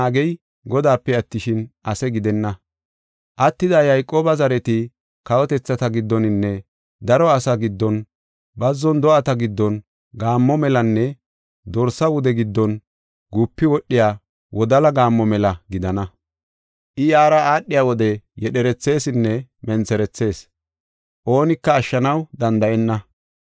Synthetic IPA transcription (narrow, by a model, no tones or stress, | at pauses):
aːɡɛj | ɡɔd̪aːpːɛɐt̪ːɪʃɪnʔɐsɛɡɪd̪ɛnːɐ | ʔɐt̪ːɪd̪ɐjɐjkʼːoːbɐzɐɾɛt̪ɪ | kɐwɔt̪ɛt͡sːɐt̪ɐɡɪd̪ːɔnɪnːɛ | d̪ɐɾɔɐsɐɡɪd̪ːɔn | bɐzːɔnd̪ɔʔɐt̪ɐɡɪd̪ːɔn | ɡaːmːɔmɛlɐnːɛ | d̪ɔɾsɐwʊd̪ɛɡɪd̪ːɔn | ɡupːɪwɔʔːɪjaː | wɔd̪ɐlɐɡaːmːɔmɛlɐɡɪd̪ɐnɐ | ʔɪjaːɾɐaːɗːɪjaːwɔd̪ɛjɛɗɛɾɛt͡sːe̞ːsɪnːɛmɛnt͡sɛɾɛt͡sːe̞ːs | ʔo̞ːnɪkːɐːʃːɐnɐwd̪ɐnd̪ɐʔɛnːɐ